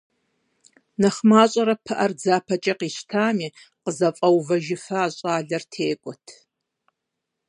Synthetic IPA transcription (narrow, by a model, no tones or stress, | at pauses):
nɐχmaːɕʼɐɾɐpʰɨʔɐrd͡zaːpʰɐt͡ʃʼɐqiːɕtʰaːmiː | qəzɐfʼɐwvɐʒɪfɐaːɕʼaːɮɐrtʰeːkʷʼɔtʰ